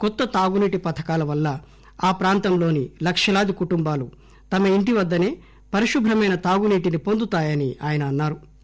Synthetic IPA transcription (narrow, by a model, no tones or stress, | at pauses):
kɔt̪ːɐt̪aːɡuniːʈipɐt̪ʰɐ̥kaːlɐʋɐlːɐ | aːpɾaːnt̪ɐmlo̞ːnilɐkʂɐlaːd̪ikuʈumbaːlu | t̪ɐmɐiɳʈiʋɐd̪ːɐne̞ː | pɐɾiʃubʱɾɐmɐjnɐt̪aːɡuniːʈinipo̞nd̪ut̪aːjɐniaːjɐnɐːnːaːɾu